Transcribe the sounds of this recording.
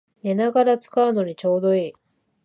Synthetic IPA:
nenaɡaɾat͡sɨ̥kaɯ̟no̞ɲ̟it͡ɕo̞ːd̪o̞iː

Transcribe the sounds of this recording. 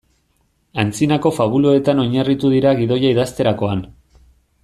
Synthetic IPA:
ant͡sinako̞faβ̞uloe̞t̪ano̞ɲarit̪uðiɾaɣiðo̞jaiðast̪e̞ɾakoan

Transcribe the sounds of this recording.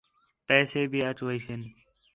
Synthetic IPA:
pɛːseːbʱiːət͡ʃʋəisen

